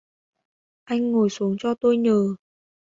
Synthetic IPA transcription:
ʔa˧jŋ̟ːo˨˩jsu˨˦əŋt͡ɕɔ˧t̪o˧jɲəː˨˩

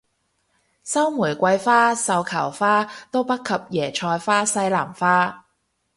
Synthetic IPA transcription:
sɐ˥wmuː˨˩jkʷɐ˧jfaː˥sɐ˨˧wkʰɐ˨˩wfaː˥t̪o˥wpɐ˥t̚kʰːɐ˨p̚jɛː˨˩t͡ʃʰɔː˧jfaː˥sɐ˥jlaː˨˩mfaː˥

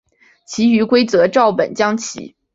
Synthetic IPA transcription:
t͡ɕʰi˧˥y˧˥kwe˥ɪt͡sɤ˧˥ʈ͡ʂɑ˥˩ʊpə̰˨˩nt͡ɕjɑ˥ŋt͡ɕʰḭ˧˥

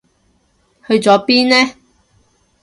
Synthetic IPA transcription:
hɵ˧ɥt͡sɔː˨˥piː˥nlɛː˥

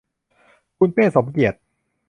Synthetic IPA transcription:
kʰu˧npeː˥˩so˨˩˦mki˨˩ət̪̚

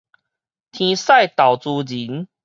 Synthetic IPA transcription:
t̪ʰĩ˧sa˥˨jt̪a˨˩wt͡su˧d͡ʑi˨˦n

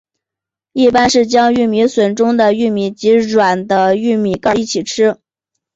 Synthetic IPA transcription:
i˥˩pa˥nʂɻ̩˥˩t͡ɕjɑ˥ŋy˥˩mi˧˥swə˨˥˩nʈ͡ʂʊ˥ŋd̪ə˨y˥˩mi˧˥t͡ɕi˧˥ɻwa˨˩nd̪ə˦y˥˩mi˨˩˦kɑ˥˧i˥˩t͡ɕʰi˨˩ʈ͡ʂʰɻ̩˥

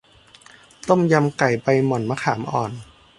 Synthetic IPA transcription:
t̪o˥˩mja˧mka˨˩jpa˧jmɔ˨˩nma˧kʰaː˩˦mʔɔː˨˩n

